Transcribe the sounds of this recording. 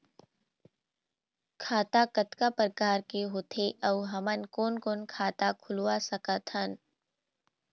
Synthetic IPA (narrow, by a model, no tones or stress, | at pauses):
kʰaːt̪akət̪kapɾəkaːɾkeɦoːt̪ʰeʔɐwɦɐmənkoːnkoːnkʰaːt̪akʰʊluwasəkət̪hən